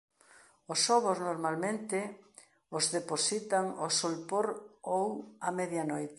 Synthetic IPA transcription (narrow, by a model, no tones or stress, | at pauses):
osɔβoznoɾmalmẽnt̪ɪ | ozðeposit̪aŋosolpoɾowɐmɛðjanojt̪